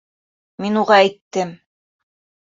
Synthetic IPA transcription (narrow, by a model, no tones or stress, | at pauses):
minuʁɑæjt̪ːɘm